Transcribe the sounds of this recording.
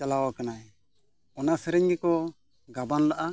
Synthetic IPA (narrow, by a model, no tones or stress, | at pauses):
alawakanaj | ɔnasɛɾɛɲɡɛkɔ | ɡabanlaʔa